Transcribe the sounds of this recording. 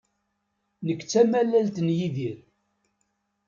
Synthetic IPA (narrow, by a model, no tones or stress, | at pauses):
nəkːt͡sːæmælːælt̪njiðiɾ